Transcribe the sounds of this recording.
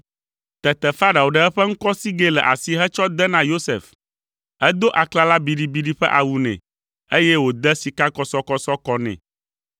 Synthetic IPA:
t̪ɛ˨t̪ɛ˨fa˦ɖa˨wo˨ɖə˨ɛ˦ɸɛ˦ŋ̩˦kɔ˦si˦ɡe˦lɛ̰˨ʔa̰˨si˦ɦɛ˦t͡ʃɔ˦d̪ɛ˦nã˦jo˦sḛ˨f | ɛ˦d̪o˦ʔa˨kla˦la˦bi˨ɖi˨bi˨ɖi˦ɸɛ̰˦ʔa˨wu˨nɛ̰̃˨ | e˦jɛ˦wo˨d̪ɛ˦si˨ka˦kɔ˨sɔ˦kɔ˦sɔ˦kɔ˦nɛ̰̃˨

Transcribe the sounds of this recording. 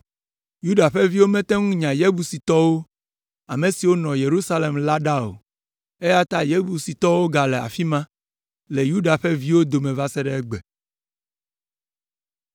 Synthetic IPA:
ju˦ɖa˨ɸɛ˦vi˦wo˦mɛ̃˦t̪ɛ˦ŋũ˦ɲã˨je˦bu˨si˨t̪ɔ˦wo˦ | a˨mẽ˨si˨wo˦nɔ̃˨je˨ɾu˦sa˦le˨mla˦ɖa˦o̰˨ | e˦ja˦t̪a˦je˦bu˨si˨t̪ɔ˦wo˦ɡa˨le˨a̰˨fi˦mã˦ | le˨ju˦ɖa˨ɸɛ˦vi˦wo˦d̪o˨mẽ˨va˦sɛ˦ɖɛ˦ɛ˦ɡ͡bɛ˨

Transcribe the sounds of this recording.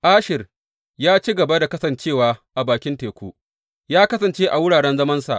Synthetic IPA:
ʔaː˦ʃɪ˨r | jaː˦t͡ʃiː˦ɡɐ˨ba˦da˨kɐ˦sɐ˨nt͡ʃeː˦˨waː˨˦ʔa˨baː˨kʲɪ˦nteː˨kʷoː˦ʔ | jaː˦kɐ˦sɐ˨nt͡ʃeː˦ʔa˨wʊ˦ɽaː˨ɽɛ˦nzɐ˦mɐ˦nsa̰˨ʔ

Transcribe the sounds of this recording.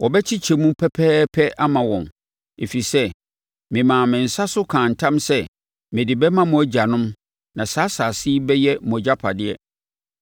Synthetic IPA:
wɔ˨bɛ˦t͡ɕʰɪ˦t͡ɕʰɛ˨mũ˦pʰɛ˦pʰɛː˦pʰɛ˦a˦mã˨wɔ̃˨n | e˨fi˨sɛ˦ | mɪ̃˨mãː˨mɪ̃˨n̩˨sa˦sʊ˦kʰãː˨n̩˨tʰã˦msɛ˦ | mɪ̃˨dɪ˨bɛ˦mã˦mũ˨˦æ˦d͡ʑa˨nʊ̃˦m | nã˨saː˨˦saː˨sɪ˦bɛ˦jɛ˦m˨ɔ̃˨d͡ʑa˦pʰa˨dɪ˦ɛ˦

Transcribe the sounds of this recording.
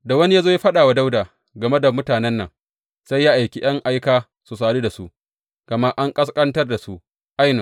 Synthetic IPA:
da˨wɐ˦ni˦jaː˦zoː˦ja˦ɸɐ˦ɗaː˨wa˦da˦wdaː˨ | ɡɐ˨me˦da˨mʊ˦taː˨nɛ˦nːɐ̰˨ŋ | sa˦jːa˦ʔa˨jkʲi˦j̰ɐ˦ŋʔa˦jkaː˦ | su˨saː˨ɽeː˦da˨su˦ʔ | ɡ̥ɐ˨ma˦ʔa˦ŋkʼɐ˦skʼɐ˦ntɐ˦rda˨su˦ʔ | ʔa˦jnɪ˨

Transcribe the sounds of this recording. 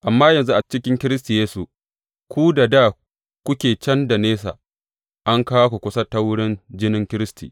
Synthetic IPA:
ʔa˨mːaː˦jɐ˨nzu˦ʔa˨t͡ʃɪ˦kʲɪ˦ŋkʲɪ˦ɾɪ˦s̬ti˨jeː˦su˨ | kʷu˦da˨daː˦˨ | kʷʊ˦kʲeː˨t͡ʃɐ˦nda˨neː˦sa̰˨ | ʔa˦ŋkaː˦wa˦kʷu˨kʷʊ˦sɐ˦ta˦wʊ˦ɽɪ˦nd͡ʒɪ˦nɪ˦ŋkʲɪ˦ɾɪ˦stʰḭː˨

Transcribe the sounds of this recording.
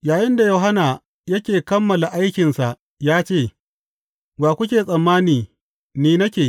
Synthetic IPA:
jaː˨jɪ˦nda˨joː˨ɦa˦na˨ | jɐ˦kʲeː˨kɐ˦mːɐ˨la˨ʔa˦jkʲɪ˨nsa˨ʔ | jaː˦t͡ʃeː˦˨ | baː˨kʷʊ˦k̬ʲeː˨sʼɐ˨mːaː˦niː˨ | niː˨nɐ˦kʲeː˨

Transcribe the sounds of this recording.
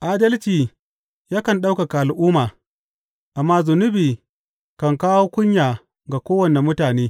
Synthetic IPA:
ʔaː˦dɐ˦lt͡ʃiː˨ | jaː˦kɐ˨nɗa˦wka˨ka˨ʔa˨lʔʊː˦maː˨ | ʔa˨mːaː˦zʊ˨nʊ˦biː˨ | kɐ˨ŋkaː˦woː˦kʷʊ˦ɲjaː˨ | ɡa˨kʷoː˦wɐ˨ne˨mʊ˦taː˨neː˦

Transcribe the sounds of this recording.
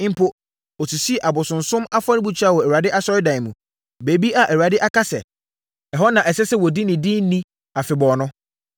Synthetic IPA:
m̩˦pʰʊ˦ | ɔ˨su˨si˦˨ʔa˨bʊ˨sʊ̃˨n̩˨sʊ̃˦ma˦fa˦nɪ̃˦bu˨t͡ɕʰᶣa˦˨wɔ˨æ˨wu˨a˨dɪ˦ʔa˦sɔ˦ɾɪ˦dã˨ɪ̃˨mũ˨ | beː˨bi˦a˨ʔæ˨wu˨a˨dɪ˦ʔa˦kʰa˦sɛ˨ | ɛ˨ɦɔ˦nã˨ʔɛ˨sɛ˦sɛ˦wɔ˨di˦nɪ̃˨dɪ̃˦n˦nĩ˦ | a˨fɪ˨bɔː˨nʊ̃˦

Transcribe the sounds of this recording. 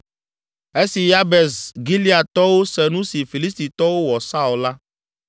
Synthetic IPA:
e˦si˨ja˦bɛ˨sɡi˦li˦a˨t̪ɔ˦wo˦sɛ˨nũ˦si˨fi˨li˦s̬t̪i˨t̪ɔ˦wo˦wɔ˨sa˦o˨la˦

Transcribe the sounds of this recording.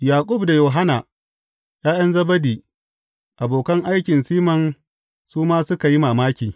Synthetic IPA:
jaː˨kʷʼʊ˦bda˨joː˨ɦa˦na˨ | jaː˦j̰ɐ˦nzɐ˦bɐ˦diː˨ | ʔa˨boː˨kɐ˦ŋʔa˦jkʲɪ˨nsiː˦mɐ˨n | suː˦maː˦sʊ˦ka˨ji˦maː˨maː˦kʲiː˨

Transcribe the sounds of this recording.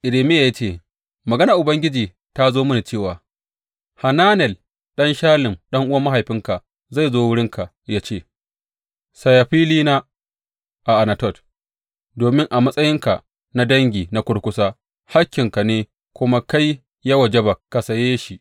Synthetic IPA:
ʔɪ˨ɾe˨mɪ˦ja˨ja˦t͡ʃeː˦˨ | mɐ˨ɡɐ˦na˨ʔʊ˨bɐ˦ŋɡʲɪ˦d͡ʒiː˨ | ta˦zoː˦mʊ˦ni˨t͡ʃeː˦˨waː˨ | ha˨naː˦nɛ˨l | ɗɐ˦nʃaː˦lɪ˨mɗɐ˦ŋʔʊ˦wɐ˦ma˦ɦa˨jɸɪ˦ŋka˨ | za˦˨zoː˦wʊ˦ɽɪ˦ŋkʰa˨ʔ | ja˦t͡ʃeː˦˨ | sa˨ja˨ɸiː˦liː˦na˦ | ʔa˨ʔa˨na˨tɔ˦˨t | doː˨mɪ˦ŋʔa˨mɐ˦sʼɐ˦jɪ˦ŋka˨ | na˦dɐ˦ŋɡʲiː˨na˦kʷʊ˦ɽkʷʊ˦saː˦ | ha˦kʲːɪ˨ŋka˨neː˦ | kʷʊ˦ma˦ka˦j | ja˦wɐ˨d͡ʒe˦ba˨ka˨sɐ˨jeː˦ʃi˨

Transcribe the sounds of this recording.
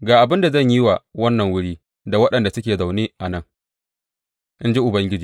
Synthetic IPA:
ɡaː˨ʔa˨bɪ˦nda˨zɐ˦˨ɲji˦wa˨wɐ˦nːɐ˨ŋwʊ˦ɽiː˦ | da˨wɐ˦ɗɐ˨nda˨sʊ˦kʲeː˨za˨wneː˦ʔa˨nɐ˦˨ŋ | ʔɪ˦nd͡ʒi˦ʔʊ˨bɐ˦ŋɡʲɪ˦d͡ʒiː˨

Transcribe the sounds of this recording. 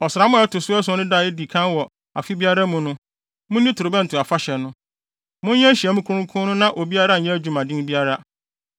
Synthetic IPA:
ɔ˨sɾa˨˦mʊ̃˦ɛ˦tʰʊ˨sʊ˦ɛ˦sʊ̃˦nʊ̃˦da˨ɛ˦di˨kʰã˦wɔ˨ | a̰˨fi˦bi˦a˦ɾa˦mũ˨nʊ̃˦ | mʊ̃˦nĩ˦tʰʊ˨o˨bɛ̃˦n̩˨tʰʊ˨a˨fa˦ɕɛ˨nʊ̃˦ | mʊ̃˦nɲɛ̃˦ɕi˨ɛ˨mũ˦kʰʊ̃˦ɾ̃kʰʊ̃˦nʊ̃˦nã˦ʔo˨bi˦a˦ɾa˦˨ɲɛ̃˦æ˦d͡ʑᶣu˨mã˨dĩ˦bi˦a˦ɾa˦

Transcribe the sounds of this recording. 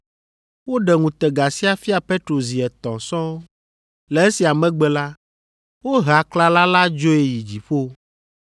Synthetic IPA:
wo˦ɖɛ˨ŋũ˨t̪ɛ˨ɡa˨si˦a˨fi˦a˨pe˦t̪ɾo˨zi˨ɛ˨t̪ɔ̰̃˨sɔ̃˦ | lɛ˨˦e˦si˨a˨mɛ̃˦ɡ͡bɛ˨la˦ | wo˦ɦa˨kla˦la˦la˦d͡ʒo˦e˨ji˨d͡ʑi˨ɸo˦

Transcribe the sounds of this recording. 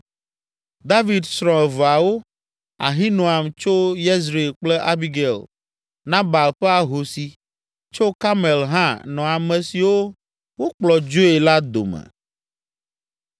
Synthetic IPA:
d̪a˦vi˨d̪sɾɔ̃˨ɛ˨va˨wo˦ | a̰˨ɦĩ˦nõ˨a˨mt͡ʃo˦je˦z̬ɾe˨e˨lk͡plɛ˦ʔa˦bi˦ɡe˨l | nã˦ba˨lɸɛ˦a˨ɦo˨si˨ | t͡ʃo˦ka˦me˨lɦã̰˦nɔ̃˨a˨mɛ̃˨si˨wo˦ | wo˦k͡plɔ˨d͡ʒo˦e˨la˦d̪o̰˨mɛ̰˨

